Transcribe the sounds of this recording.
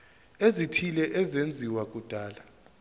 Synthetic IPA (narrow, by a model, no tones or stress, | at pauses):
ezitʰilɛʔɛzend͡zʱiwak̬ʼud̥ʱaːla